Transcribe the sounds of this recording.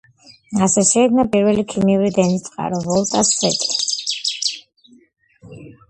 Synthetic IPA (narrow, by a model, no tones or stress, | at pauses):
asɛʃɛid̪napʼiɾvɛlikʰimiuɾid̪ɛnist̪sʼqʼa̰ɾɔvɔlˠt̪ʼasɛt̪ʼi